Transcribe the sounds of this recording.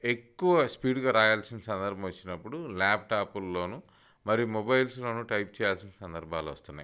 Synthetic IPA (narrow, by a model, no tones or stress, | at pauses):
e̞kːuʋɐspiːɖuɡaːɾaːjaːlsinɐsɐnd̪ɐɾbʱɐʋɐt͡ʃːinɐpːuɽulaːp̚ʈaːpulːo̞ːnu | mɐɾijumɔbɐjlslo̞ːnuːʈɐjp̚t͡ʃɛːjaːlsinɐsɐnd̪ɐɾbʱaːloːʋɐ̰st̪unːa̰j